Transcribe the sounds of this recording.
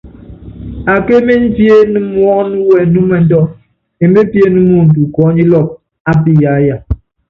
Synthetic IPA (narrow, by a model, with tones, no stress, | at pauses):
a˨ke˦me˦n˦fje˦nɨ˦mwɔ˦nu˦wɛ˨nu˦mɛ˨n̩˦dɔ˦ | e˨m˦be˦pje˦nu˦mu˦˨n̩˨tu˨kɔ˨˦ɲi˦lɔ˦˨k̚ | a˦pi˦ja˨˦ja˨